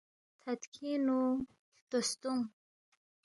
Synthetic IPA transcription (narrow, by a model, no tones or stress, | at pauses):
t̪ʰat̪kʰinu | t̪ost̪uŋ